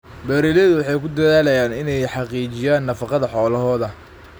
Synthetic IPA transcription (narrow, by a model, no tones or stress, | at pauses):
bɛːɾiːlɛðʊwɑħɑjkʰʊd̪ɐðaːlɐjaːnɪnɛjħɑqiːt͡ʃɪjaːnːɐfɑqɑðɐħɔːlɐɦɔːðɐ